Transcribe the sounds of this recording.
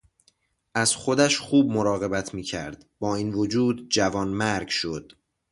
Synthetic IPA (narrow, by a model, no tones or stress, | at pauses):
ʔæz̥xo̞d̪æʃxuːb̚moɾɒːɣe̞bæt̪ʰmiːcʰæ̰ɾd̪bɒːiːnvod͡ʒuːd̪d͡ʒævɒːnmæɾɡʃod̪̥